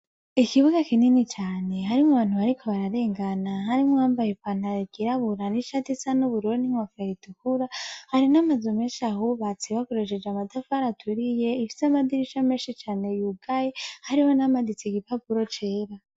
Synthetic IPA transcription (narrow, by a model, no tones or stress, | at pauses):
ikiβuɡakininit͡ʃaːne̞ɦaɾimŋuβaːn̥huβaɾikʰo̞βaɾaɾe̞ːŋɡanaɦaɾimŋoaːmbajepanaɾiɡiɾaβuɾaniʃatisanuβuɾoniŋwafeɾitukuɾahaɾinamazumeːʃaɦoβat͡siβakoɾeʃed͡ʒamatafaɾatʰuɾije̞ifi̥samadiɾiʃameːnʃit͡ʃaːne̞juɡajehaɾiho̞namadit͡siɡipapuɾot͡ʃe̞ːɾa